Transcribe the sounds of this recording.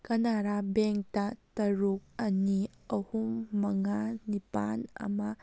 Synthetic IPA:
kɐnaɾabeŋk̚tɐtɐɾuk̚ɐni | ɐhumːɐŋanipa̰nɐ̰mɐ

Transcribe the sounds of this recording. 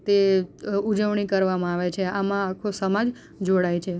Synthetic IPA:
t̪eud͡ʒəʋɳ̃ikəɾʋamãaʋet͡ʃʰeamãːkʰosəmad͡ʒ | d͡ʒoɽajt͡ʃʰe

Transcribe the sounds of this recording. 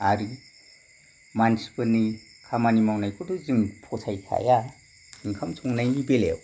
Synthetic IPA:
aɾi | mansi̥pɯni | kʰamanimawnajkʰɯduziŋpʰɔsʰajkʰa̰ja | hiŋkʰamtʰɔŋnajnibelḛw

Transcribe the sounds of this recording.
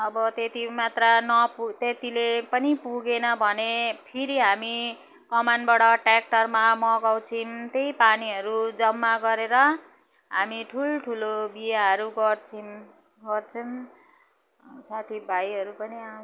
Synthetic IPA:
ʌbʌt̪et̪imat̪ranʌpt̪et̪ilepʌnipuɡenʌbʱʌnepʰiɾiɦami | kʌmanbaɽʌʈrak̚ʈʌrmamʌɡaw̃t͡sʰint̪ejpaniɦʌɾud͡zʌmːaɡʌɾeɾʌ | ɦamiʈʰulʈʰulobijaɦʌɾuɡʌrt͡sʰin | ɡʌrt͡sʰʌn | sat̪ʰibʱajʌɾupʌnia

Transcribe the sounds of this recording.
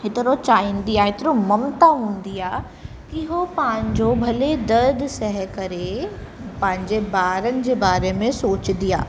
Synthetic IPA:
ɦɪt̪ɪɾot͡ɕaːĩːn̆d̪iaːɦɪt̪ɪɾomɐmt̪aɦũːn̆d̪iaː | kiɦopɐ̃ɪ̃ɲd͡ʑobʱɐled̪ɐɾd̪sɐɦɛkɐɾe | pɐ̃ɦɪ̃ɲd͡ʑebaːɾənɪ̆d͡ʑeːbaːɾemẽsoːt͡ɕnd̪ia̰ː

